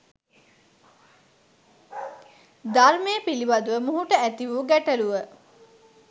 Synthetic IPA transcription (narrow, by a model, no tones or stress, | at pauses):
d̪aɾmejəpilibad̪uʋəmuɦuʈəæt̪iʋuːɡæʈəluʋə